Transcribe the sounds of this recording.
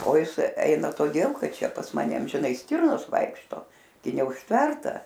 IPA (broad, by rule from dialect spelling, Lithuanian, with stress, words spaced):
oː ˈjɪs ˈɛɪnɐ toːˈdʲeːlˠ ˈkɐt ˈt͡ʃʲɛ pɐs ˈmɑːnʲɛ ɐmʲʒʲɪˈnɐɪ ˈsʲtʲɪrnoːs ˈʋɐɪkʃtoː ɡʲɪ nʲɛʊʃʲˈtʲʋʲɛrtɐ